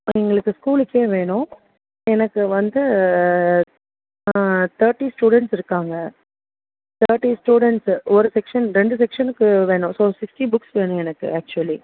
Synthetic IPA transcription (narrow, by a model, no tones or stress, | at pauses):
ɛŋɡɐɭɯkːɯskuːlɪkːeːʋeːɳʊ̃ | ɛnɐkːɯʋɐnd̪ɯ | t̪ʰɐːɾʈisʈuːɽɛɳʈsɪɾɯkːaːŋɡɐ | t̪ʰɐːɾʈisʈjuːɽɛɳʈsɔɾɯsɛkʂɐnɾɛɳɖɯs̬ɛkʂɐnɯkːɯʋeːɳʊ̃soːsɪksʈibʊksʋeːɳʊ̃ɛnɐkːɯ̰æːk̚t͡ʃʊɐli